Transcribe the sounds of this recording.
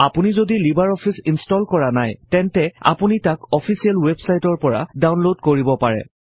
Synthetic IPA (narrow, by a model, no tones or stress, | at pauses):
apunizodilibaɹɔpʰisinstɔlkɔɹanajtɛntɛa̰punitakɔpʰisialwebsajtɔɹpɔɹa̰dawnlodkoɹibɔpaɹɛ̰